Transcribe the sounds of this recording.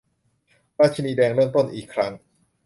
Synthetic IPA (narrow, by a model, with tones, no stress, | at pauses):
ɾaː˧˩t̪̚t͡ɕʰa˧niː˧dɛː˧ŋɾɯ˥˩mt̪o˥˩nʔiː˨˩kʰɾa˦˥ŋ